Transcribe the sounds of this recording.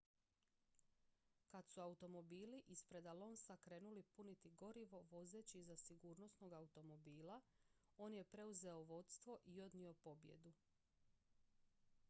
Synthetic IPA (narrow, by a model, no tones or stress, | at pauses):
kad̪suaut̪o̞mo̞biːliʔispɾe̞d̪alo̞nsakɾe̞ːnulipunit̪iɡo̞ɾiʋo̞ʋo̞ze̞ːt͡ɕizasiɡuːɾno̞sno̞ɡaut̪o̞mo̞biːla | o̞ːnje̞pɾe̞uze̞oʋo̞t̪st̪ʋo̞ʔio̞d̪nio̞po̞bje̞̰d̪u